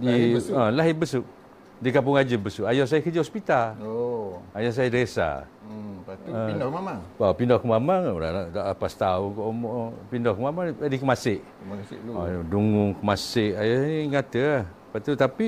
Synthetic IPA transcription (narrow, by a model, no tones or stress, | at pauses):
dalaɦɪbəsʊʔ | dikamp̬ʊŋad͡ʒəbəsuʔajɔs̬ajəkəd͡ʒəhɔspit̪al | ajɔs̬ajadɾesa̰ | əkamaŋɔpindɔhkəmamaŋoɾa̰naʔdaʔapast̪aʊŋkɔʔmɔʔpindɔhkəmamaŋdikəmasɪʔ | akasɔduŋʊŋkəmasɪʔajɔsjŋat̪əah | pat̪ut̪api